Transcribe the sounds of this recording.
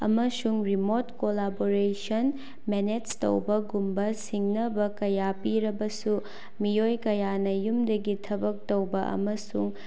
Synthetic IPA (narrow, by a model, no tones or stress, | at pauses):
ɐ̰mɐsuŋɾimotkolaboɾesɐn | menetsto̰wbɐɡumbɐsiŋnɐbɐkɐjapiɾɐbɐsu | mijojkɐjanɐjumdɐɡitʰɐbɐk̚towbɐʔɐ̰mɐsuŋ